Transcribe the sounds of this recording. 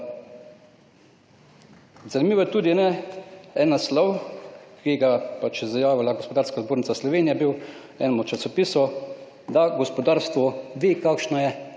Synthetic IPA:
zanimiːʋɔjɛt̪uːd̪inɛɛːnaslɔwkiɡapat͡ʃjɛzajaːʋilaɡɔspɔd̪aːɾskazboːɾnit̪saslɔʋeːnijɛbiw | ɛ̰nɛmɔt͡ʃasɔpisɔ | d̪aɡɔspɔd̪aːɾst̪ʋɔʋiːkaːkʃnɔjɛ

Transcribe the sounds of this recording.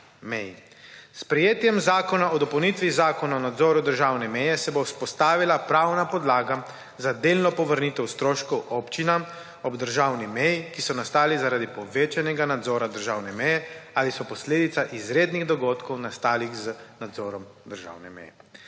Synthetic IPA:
mɛj | spɾɛjeːt̪jɛmzaːkɔnaɔd̪ɔpɐwnit̪ʋizaːkɔnaɔnad̪zɔːɾud̪əɾʒawnɛmɛjɛsɛbospɔst̪aːʋilapɾawnapɔd̪laːɡa | zad̪elnɔpɔʋəɾnit̪ɛwst̪ɾoːʃkɔwʔoːpt͡ʃinam | ɔbd̪əɾʒaːwnimɛjikisɔnast̪aːlizaɾaːd̪ipɔʋeːt͡ʃanɛɡanad̪zɔːɾad̪əɾʒawnɛmɛjɛaːlisɔpɔsleːd̪it̪saʔizɾeːd̪niɣd̪ɔɡoːt̪kɔwnast̪aːlixzənad̪zɔːɾɔmd̪əɾʒa̰wnɛmɛ̰jɛ

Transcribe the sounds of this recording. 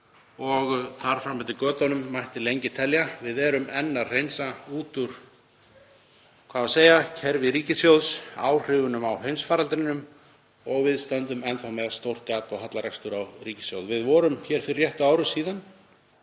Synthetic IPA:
ɔɣθaɾ̥fɾamfɛt̪ɪkœːt̪anʏmːajht̪ɪlejɲcɪt̪ʰɛljavɪðɛːɾʏmɛnːar̥ejnsauːt̪ʏɾ̥ | kʰv̥aːðaseːjacʰɛɾvɪɾiːcɪsjowðsaːwr̥ɪːvʏnʏmawɦejnsfaːɾalt̪ɾɪnʏm | ɔɣvɪðst̪ant̪ʏmɛnθawmɛðast̪owr̥t̪kaːt̪ɔɣɦat̪laɾɛ̰kst̪ʏɾawriːcɪ̥sjo̰wðvɪðvɔːɾʏmçɛɾ̥fɪɾrjɛht̪ʏaːwɾʏsiːðan

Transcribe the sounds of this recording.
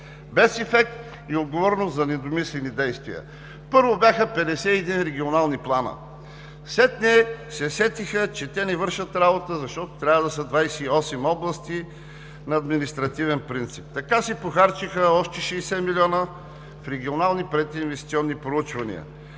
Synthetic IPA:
bɛsɛfɛk̚t̪ | iod̪ɡovɔɾnost̪zɐnɛd̪omislɛnid̪ɛjst̪vḭə̰ | pɤɾvobʲjaxəpɛd̪ɛsɛiɛd̪inɾɛɡʲionalˠniplˠanə̰ | slɛt̪nɛsɛsɛt̪ixət͡ʃɛt̪ɛnɛvɤɾʃət̪ɾabot̪əzɐʃt̪ɔt̪o̥t̪ɾʲavəd̪ɐsəd̪vajsɛiɔsɛmɔblˠɐst̪i | nɐːd̪minist̪ɾɐt̪ivɛnpɾint̪sip̚t̪ɐkasɛpoxaɾt͡ʃixəɔʃt̪ɛʃɛsɛmilʲiɔnə | fɾɛɡʲionalˠnipɾɛt̪iːnvɛst̪ʲi̥t̪siɔnːipɾout͡ʃvɐnḭə̰

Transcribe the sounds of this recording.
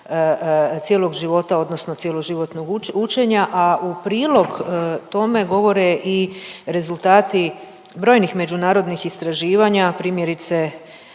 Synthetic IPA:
t̪jelˠo̞ɡʒiʋo̞t̪ao̞d̪no̞sno̞t̪sje̞lo̞ʒiʋo̞t̪noɡut͡ʃe̞ɲaʔaupɾiːlˠo̞ɡt̪o̞me̞ɡo̞ʋo̞ɾe̞ʔiɾe̞zult̪aːt̪i | bɾo̞jnixme̞d͡ʑunaːɾo̞d̪nixist̪ɾaʒiːʋaɲapɾiːmje̞ɾit̪se̞

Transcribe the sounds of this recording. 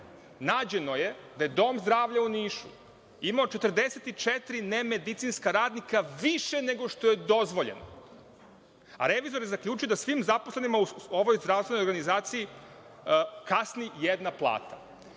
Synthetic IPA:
naːd͡ʑe̞no̞je̞d̪aje̞d̪o̞ːmzd̪ɾaːʋʎauniːʃṵ | imaot͡ʃe̞t̪ərd̪eset̪it͡ʃet̪ɾineme̞d̪it̪siːnskaɾaːd̪nikaʋiʃene̞ɡo̞ʃt̪o̞je̞d̪o̞zʋo̞ʎḛno̰ | a̰ɾe̞ʋizoɾjezakʎʲuːt͡ʃujed̪asʋimzaposlˠenimauo̞ʋo̞jzd̪ɾaʋsʋenojɾɡanizaːt̪siji | kasnijed̪naplˠa̰ːt̪a

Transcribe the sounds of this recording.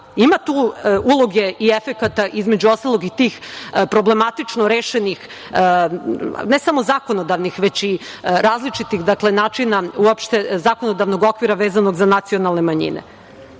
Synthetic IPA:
imat̪uːulˠo̞ɡe̞ʔiefe̞kat̪aʔizme̞d͡ʑuo̞st̪alˠoɡit̪iːxpɾo̞ble̞mat̪it͡ʂnoɾeːʃenix | nesamo̞zaːkono̞d̪aʋnixʋe̞t͡ɕiɾaːzlit͡ʂit̪ixd̪akle̞naːt͡ʃinauopʃt̪ezaːko̞no̞d̪aʋno̞ɡo̞kʋiɾaʋeːzano̞ɡzanat̪sionalˠne̞maɲḭnḛ

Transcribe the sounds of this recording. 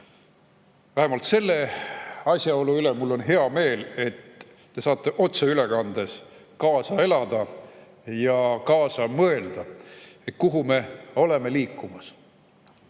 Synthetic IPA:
væɦemɑlt̪se̞lːe̞ɑsʲjɑo̞luyle̞mulːo̞nɦe̞ɑme̞ːle̞t̪ː | e̞sɑːt̪ːˑe̞ʔo̞t̪seyle̞kɑnd̪e̞s | kɑːsɑe̞lɑd̪̥ɑ | jɑkɑːsɑmɤe̞ld̪̥ɑet̪kuɦume̞o̞le̞me̞liːkːˑumɑs

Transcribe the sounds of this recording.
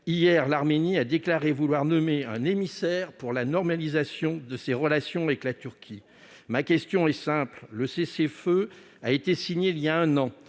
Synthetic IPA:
ijɛʁlaʁmeniad̪eklaʁevulwaʁnɔmeɛ̰̃nemisɛʁpuʁlanɔʁmalizasjɔ̃d̪əseʁəlasjɔ̃avɛklat̪yʁkʲʰi | makʲɛst̪jɔ̃ɛsɛ̃plləsesefø | aet̪esiɲeiljaɛ̃nɑ̃

